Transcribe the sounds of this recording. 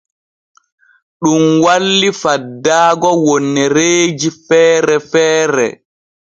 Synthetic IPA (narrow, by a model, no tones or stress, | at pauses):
ɗumwalːifadːaːɡɔwɔnːɛɾeːd͡ʒifɛːɾɛfɛːɾɛ̰